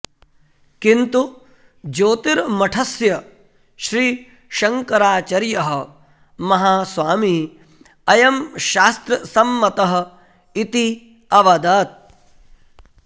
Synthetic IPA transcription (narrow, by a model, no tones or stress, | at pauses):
kint̪u | d͡ʒoːt̪iɾmɐʈʰɐsjɐ | ʃɾiː | ʃɐŋkɐɾaːt͡ʃɐɾjɐɦɐ̆ | mɐɦaːsʋaːmi | ɐjɐmʃaːst̪ɾɐsɐmːɐt̪ɐɦɐ̆ | it̪i | ɐʋɐd̪aːt̪̚